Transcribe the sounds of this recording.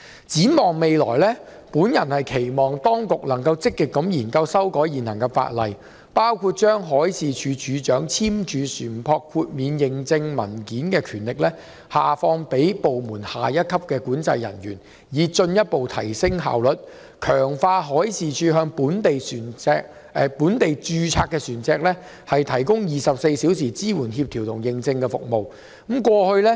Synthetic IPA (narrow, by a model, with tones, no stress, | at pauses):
t͡siː˨˥mɔː˨ŋme˨jlɔ̰ː˨˩jlɛː˥ | puː˨˥njɐ˨˩nhɐ˨jkʰe˨˩jmɔː˨ŋt̪ɔː˥ŋkʊ˨k̚lɐ˨˩ŋkɐ˧wt͡sɪ˥kːɪ˨kːɐ˨˥mjiː˨˩nkɐ˧wsɐ˥wkɔː˨˥jiː˨˩nhɐ˨˩ŋkɛ˧fa̰ː˧t̚lɐ̰˨j | paː˥wkʰuː˧t̚t͡ʃœː˥ŋɦɔː˨˥jsiː˨t͡ʃʰyː˨˧t͡ʃyː˨˥t͡ʃœː˨˥ŋt͡sʰiː˥mt͡ʃyː˨˧syː˨˩npʰɔː˧kʰuː˧t̚miː˨˧njɪ˨ŋt͡sɪ˧ŋmɐ̰˨˩nkiː˨˥nkɛː˧kʰyː˨˩nlɪ˨k̚lɛː˥ | haː˨fɔː˧ŋpe˨˥jpo˨wmuː˨˩nhaː˨jɐ˥t̚kʰɐ˥p̚kɛː˧kuː˨˥nt͡sɐ̰˧jːɐ̰˨˩nɥyː˨˩n | jiː˨˧t͡ʃɵ˧njɐ˥t̚po˨wt̪ʰɐ̰˨˩jsɪ˥ŋɦa̰ː˨wlɵ˨t̚ | kʰœː˨˩ŋfaː˧ɦɔː˨˥jsiː˨˩t͡ʃʰyː˨ɦœː˧ŋpuː˨˥nt̪e˨jsyː˨˩nɛː˧k̚ː | puː˨˥nt̪e˨jt͡ʃyː˨˧t͡sʰaː˧k̚ːɛː˧syː˨˩nt͡sɛː˧k̚lɛː˥ | hɐ˨jt̪ʰɐ˨˩jkʊ˥ŋjiː˨sɐ˨p̚se˧jsiː˨˥wsiː˨˩t͡siː˥wuː˨˩nhiː˧p̚t̪ʰi˨˩wt̪ʰʊ˨˩ŋjɪ˨ŋt͡sɪ˧ŋkɛː˧fʊ̰˨k̚mo˨w̩˨˦˥ | kwɔː˧hɵ˧ɥlɛ˥